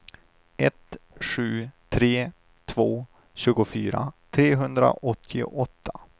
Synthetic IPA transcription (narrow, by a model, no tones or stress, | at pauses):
ɛt̪ɧʉ̟ːt̪ʰɾeː | t̪ʰvoː | ɕʉ̟ːɡʊfyːɾa̰t̪ʰɾeːɦɵnd̪ɾa̰ʔɔt̪ʰːɪ̰ʔɔt̪ʰːa